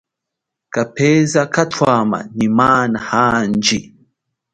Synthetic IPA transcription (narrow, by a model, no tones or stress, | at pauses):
kapɛzakatwama̰nimanahand͡ʒi